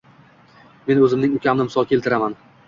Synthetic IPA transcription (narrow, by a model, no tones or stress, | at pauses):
me̞nɵzɪmnɪŋʊkʲʰamnɪmɪsɒlˠkʲʰe̞lt̪ʰɪɾaman